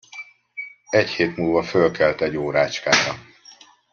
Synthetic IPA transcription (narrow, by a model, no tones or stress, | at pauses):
ɛcheːt̪muːlvɒfølkʰɛlt̪ɛɟːoːɾaːt͡ʃkaːɾɒ